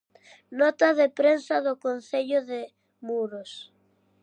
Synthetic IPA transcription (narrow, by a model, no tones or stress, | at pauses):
nɔt̪ɐðepɾensɐðʊkonθeʎʊðɪ | muɾos